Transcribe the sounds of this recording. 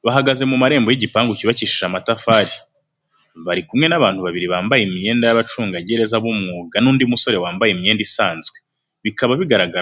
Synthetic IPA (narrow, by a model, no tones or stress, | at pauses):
βaɦaɡaze̞mumaɾe̞ːmbo̞jiɟipaːŋɡuciβaciʃiʒamatafaːɾi | βaɾikumŋe̞naβaːn̥huβaβiɾiβaːmbajemije̞ːndajaβat͡ʃuːŋɡaɟe̞ɾe̞zaβumŋuːɡanuːndimuso̞ɾe̞waːmbajemije̞ːndisaːnzɡwe | βikaβaβiɡaɾaɡa